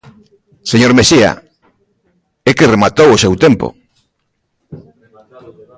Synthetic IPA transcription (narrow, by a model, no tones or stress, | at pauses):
seɲoɾmesia̰ | ekɪremat̪owʊsewt̪empo̰